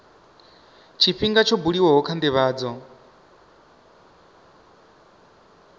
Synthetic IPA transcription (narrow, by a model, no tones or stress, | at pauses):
t͡ʃʰiɸiŋɡat͡ʃʰobuɺiwɔɦɔkʰandɛβaːd͡zɔ